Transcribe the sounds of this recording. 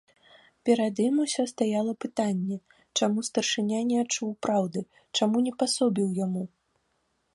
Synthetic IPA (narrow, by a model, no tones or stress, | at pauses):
pʲɛɾad̪jimusʲɔst̪ajalˠɐpɨt̪anʲːɛ | t͡ʂamust̪ɐrʂɨnʲanʲɛat͡ʂuwpɾawd̪ɨ | t͡ʂamunʲɛpasɔbʲiwjamu